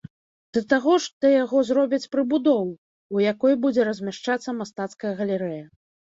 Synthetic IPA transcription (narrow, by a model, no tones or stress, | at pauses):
d̪̥ɐt̪aɣɔʂt̪ɔjaɣɔzɾɔbʲɐt͡sʲpɾɨbud̪ɔw | ujakɔjbud͡zʲɛɾɐzʲmʲaʂt͡ʂat̪sːɐmast̪at̪skɐjɐɣɐlʲɛɾɛjɐ